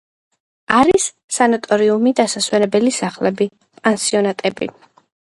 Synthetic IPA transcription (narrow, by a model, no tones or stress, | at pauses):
aɾisː | anɔt̪ʼɔɾiumid̪asaswɛnɛbɛlisaχlɛbi | pʼɛnsiɔnat̪ʼɛbḭ